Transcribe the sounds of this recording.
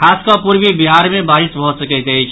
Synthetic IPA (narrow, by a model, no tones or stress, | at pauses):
kʰaskəpuɾbibiɦaɾmebaɾisbʱɔsəkəjt̪əjt͡ʃʰ